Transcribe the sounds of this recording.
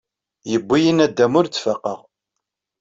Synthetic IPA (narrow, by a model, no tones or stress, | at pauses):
jəbʷːijinæd̪ːæmʊɾt͡sːfəqːə̰ʁ